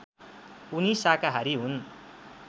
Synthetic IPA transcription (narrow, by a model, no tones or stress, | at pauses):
unisakaɦaɾiɦun